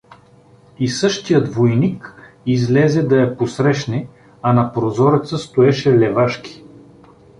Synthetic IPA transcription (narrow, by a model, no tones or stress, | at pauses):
isɤʃt̪ijəd̪vojnik | izlɛzɛd̪ɐjɐposɾɛʃnɛ | ɐnɐpɾozɔɾət̪səst̪oɛʃɛlɛvaʃkʲi̥